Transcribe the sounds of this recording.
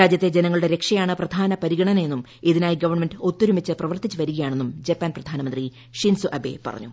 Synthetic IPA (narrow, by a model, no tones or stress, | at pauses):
aːd͡ʑjɐt̪ːe̞d͡ʑenɐŋːɐɭuɽe̞ɾe̞kʂɐjaːɳɨprɐd̪ʱaːnɐpɐɾiɣɐɳɐne̞nːum | iðinaːjiɡɐʋɐrɳmenɖɨot̪ːuɾumit͡ɕːɨprɐʋɐrt̪it͡ɕːɨʋɐɾuɣɐjaːɳe̞nːumd͡ʑepːaːnprɐd̪ʱaːnɐmɐnd̪ri | ʂinsuʔɐbe̞̰pɐ̰rɐ̰ɲːu